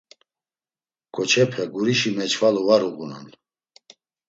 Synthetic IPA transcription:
ɡ̥ɔt͡ʃʰɛpʰɛɡuɾiʃimɛt͡ʃʰvalɔvaɾuɣuna̰n

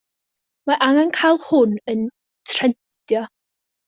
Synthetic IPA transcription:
maʔaŋankʰajlˠhʊnən | tʰrɛn | tʰjɔ

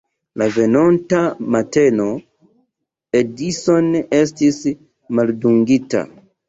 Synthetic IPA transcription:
lave̞nontamate̞no̞ | edisone̞stis | malduŋɡita̰

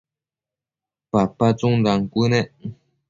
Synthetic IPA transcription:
papat͡suŋd̪aŋkʷuneʔ

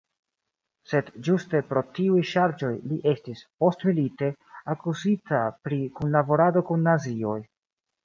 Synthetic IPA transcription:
se̞dd͡ʒuste̞pɾo̞tiujʃaɾd͡ʒo̞jliʔe̞stispo̞stmilite̞ | akuzitapɾikunlabo̞ɾado̞kunːazio̞j

